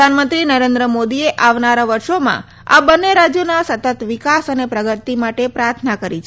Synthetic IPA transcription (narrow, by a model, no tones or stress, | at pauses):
anmənt̪ɾinəɾend̪ɾəmod̪ieʔaʋnaɾaʋəɾʃomã̰ | a̰bənːeɾad͡ʒjonasət̪ət̪ʋikasənepɾəɡət̪imaʈepɾaɾt̪ʰnakəɾit͡ʃʰ